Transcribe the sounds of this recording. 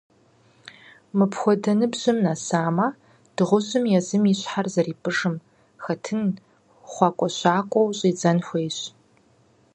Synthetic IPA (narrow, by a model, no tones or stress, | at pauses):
mɨpʰxʷɔdɐnɨbʑɨmnasaːma | d̥ɨʁʷʊʑɨmjɛzɨmiːɕħarzɐriːpʰɨʐɨm | xɐtʰɨn | χʷɑkʷʼɔɕaːkʷʼɔwɕʼiːd͡zɐnxʷeːɕ